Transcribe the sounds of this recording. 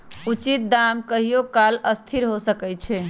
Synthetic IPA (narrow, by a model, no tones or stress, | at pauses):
ut͡ʃit̪̚d̪amkəɦijokaləst̪ʰiɾɦosəkɛt͡ʃʰɛ